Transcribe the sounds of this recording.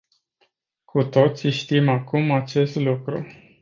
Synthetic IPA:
kʰut̪o̞t̪siʃt̪imakumat͡ʃe̞st̪lukɾṵ

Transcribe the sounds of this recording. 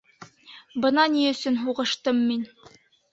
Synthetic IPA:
bɤ̆nɑniɵ̆sɵnɦuʁɤ̆ʃt̪ɤmːin

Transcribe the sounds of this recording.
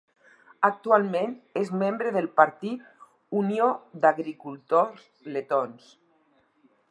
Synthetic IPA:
ak̚t̪ualˠmenezmembɾəðəlˠpaɾt̪it̪̚ | uniod̪aɣɾikulˠt̪oz | let̪ons

